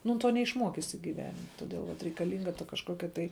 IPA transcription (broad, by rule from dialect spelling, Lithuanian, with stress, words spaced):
ˈnʊ ˈtoː nʲɛɪʃˈmuɔkʲɪsʲɪ ɡʲiːˈʋʲæːnʲɪmʲ toːˈdʲeːlˠ ʋɐt rʲɛɪkɐˈlʲiːŋɡɐ tɐ kɐʃˈkoːkʲɛ tɐɪ